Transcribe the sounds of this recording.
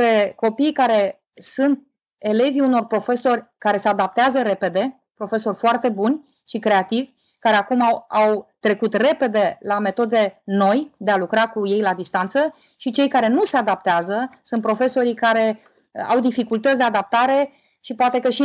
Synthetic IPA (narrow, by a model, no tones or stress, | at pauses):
ɾeko̞pijkaɾe̞ | sunt̪̚ | e̞le̞viuno̞rpɾo̞fe̞so̞rʲkaɾe̞sead̪ap̚t̪eazəɾe̞pe̞d̪e̞ | pɾo̞fe̞so̞rʲfoart̪e̞bunʲ | ʃikɾe̞at̪ivʲ | kaɾe̞akumawawt̪ɾe̞kut̪re̞pe̞d̪e̞lame̞t̪o̞d̪e̞no̞jd̪e̞alukɾakuje̞jlad̪ist̪ant̪sə | ʃit͡ʃe̞jkaɾe̞nuse̞ad̪ap̚t̪eazəsunt̪̚pɾo̞fe̞so̞ɾikaɾe̞ | a̰wd̪ifikult̪ət̪sʲd̪ead̪ap̚t̪aɾe̞ | ʃipoat̪e̞kəʃi